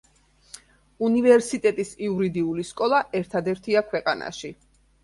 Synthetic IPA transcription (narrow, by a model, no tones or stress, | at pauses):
univɛɾsit̪ʼɛt̪ʼisiuɾid̪iuliskʼɔlˠaʔɛɾt̪ʰad̪ɛɾt̪ʰiakʰwɛqʼana̰ʃi